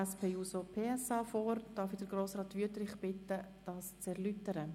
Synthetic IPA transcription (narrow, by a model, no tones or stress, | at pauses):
ɛspʰeːjuːsopʰeːɛsɑːfoːrd̥ɑfidəɾɡɾoːsɾɑːtʋyətɾɪχb̥ɪtːəd̥ɑːst͡sɛɾlytəɾə